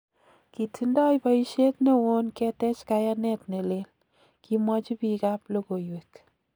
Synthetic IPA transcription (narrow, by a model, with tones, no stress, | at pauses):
ki˨tʰindɔ˦jpa˦i˦ʃe˦tne˦wo˦nkɛtɛ˦t͡ʃkaja˦nɛ˦tne˨le˦l | kʰimwɑt͡ʃi˦pika˦plo˦ko˨jwek